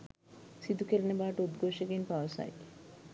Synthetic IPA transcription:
sid̪ukeɾnebaʈod̪ɡoʃeɡinpawsa̰j

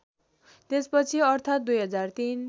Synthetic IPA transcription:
t̪espʌt͡sʰiʌrt̪ʰat̪̚d̪ujɦʌd͡zart̪in

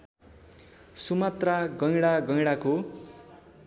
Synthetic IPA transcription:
sumat̪raɡʌjɽaɡʌjɽako

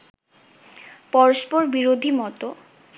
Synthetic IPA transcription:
pɔɾospoɾbiɾod̪ʱimɔt̪o

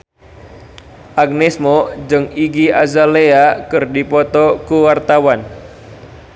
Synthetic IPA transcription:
ʔaɡ̚nɛsmɔd͡ʒɨŋiɡiazaleakɨrdipɔt̪ɔkuwart̪awan

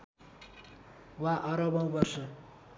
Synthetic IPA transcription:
waʔʌɾʌbʌwbʌrsʌ

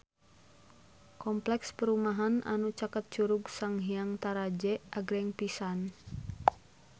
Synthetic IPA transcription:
kɔmplɛkspəɾumaɦanʔa̰nut͡ʃakət̪̚t͡ʃuɾuɡsaŋɦiaŋt̪aɾad͡ʒɛʔaɡɾɛŋpisan

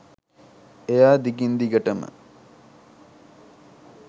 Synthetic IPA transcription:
ejaːd̪ikind̪iɡəʈəmə̰

